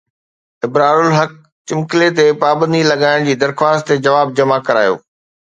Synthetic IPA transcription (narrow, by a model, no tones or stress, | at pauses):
ɪbɾaːlʊlɦɐk̚ | t͡ɕɪmkɪlet̪̬epaːbə̃nd̪ilɐɠaːɪɽ̃d͡ʑiːd̪ɐɾxwaːst̪̚t̪ed͡ʑɐʋaːb̚d͡ʑɐmakɐɾa̰ːjo̰ː